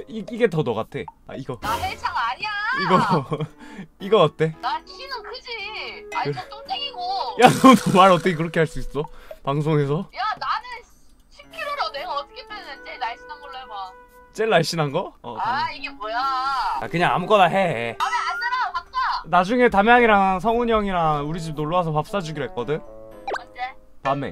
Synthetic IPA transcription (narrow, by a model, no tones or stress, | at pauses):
iiɡe̞tʌnʌɣatʰea̰iɡʌnanet͡ɕʰaŋaɲiaiɡʌ | iɡʌk͈at̚tʰe̞naɭɕʰinɯnkʰɯd͡ʑiaat͡ɕodeɡiɡojanʌnʌmaɾʌt̬͈ʌkʰek̬ɯɾʌkʰe̞ɦaɭs͈uis͈ʌpaŋs̬ʰoŋe̞sʰʌjananɯn | ɕʰikʰiɾɯɾʌnejoʌt͈ʰɯ̥kʰetʰanet͡ɕelaɭɕ͈inɦanɡʌɭːajoma | t͡ɕ͈eɭːaɭɕ͈inɦanɡʌ̰aiɡebojaa̰kɯɲaŋa̰muk͈ʌnaɦe̞aneand͡ʑaɾapak̚t͈anad͡ʑuŋe̞tamjaŋiɾaŋs̬ʰʌŋoɲʌŋiɾauɾid͡ʑib̚noɭːʌwas̬ʰʌpap̚s͈ad͡ʑuɡiɾoɦek͈ʌdɯn | mad͡ʑe | pamːḛ